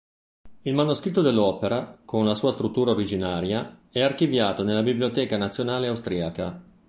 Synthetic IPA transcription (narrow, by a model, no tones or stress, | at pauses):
ilmanuskɾit̪ːod̪elːɔːpeɾakʰonlasuːast̪ɾut̪ːuːɾaoɾid͡ʒinaːɾjaɛark̟ivjaːt̪onelːabibliot̪ɛːkanat̪sːjonaːleawst̪ɾiaka̰